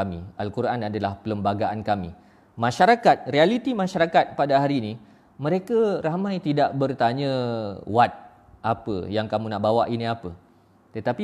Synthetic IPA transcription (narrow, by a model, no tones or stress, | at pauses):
amialkuɾanadalahpələmbaɡaʔankamḭ | mãʃaɾakat̪̚rialit̪imãʃaɾakat̪̚padaɦaɾini | mə̃ɾekaɾamãjt̪idaʔbərt̪aɲə̃wat̪̚ | apə̰jaŋkamũnaʔbawaʔiniapə | t̪ət̪api